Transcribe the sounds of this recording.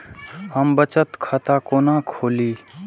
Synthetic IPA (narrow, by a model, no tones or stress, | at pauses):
həmbət͡ʃət̪kʰət̪akoːnakʰoːliː